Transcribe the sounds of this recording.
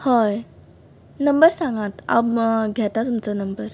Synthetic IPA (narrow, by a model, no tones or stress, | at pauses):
hoj | nəmbəɾsãŋɡat̪a̰bɡʱɛt̪at̪umt͡sənəmbəɾ